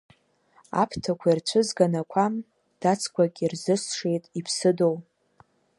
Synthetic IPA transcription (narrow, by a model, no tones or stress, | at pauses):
a̰pʰtʰakʷʰairt͡ɕʷʰɨzɡanakʷʰam | d̥at͡sʰkʷʰʼakʲʼirzɨsʂe̞jtʼipʰsɨdow